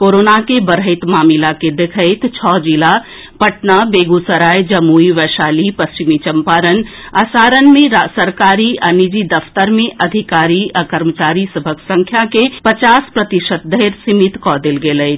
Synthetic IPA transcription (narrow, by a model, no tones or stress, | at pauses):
koɾoːnakebəɾɦət̪maːmilaked̪ekʰəɪt̪t͡ʃʰɔd͡ʒila | pəʈnabeɡusəɾaːjd͡ʒəmuiʋɛʃaːlipəst͡ʃimit͡ʃəmpaːɾən | asaːɾənmẽɾsəɾkaːɾianid͡ʒid̪əpʰt̪əɾmẽʔɐd̪ʱikaːɾiakəɾmət͡ʃaːɾisəbʱəksə̃ŋkʰjakepət͡ʃaːspɾət̪iʃət̪̚d̪əeɾsimit̪kɔd̪elɡeləɪt̪ʰ